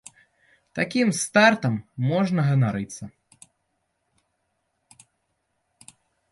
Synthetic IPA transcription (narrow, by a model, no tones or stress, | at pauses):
t̪akʲimst̪art̪ɐmːɔʐnɐɣɐnaɾɨt̪sːɐ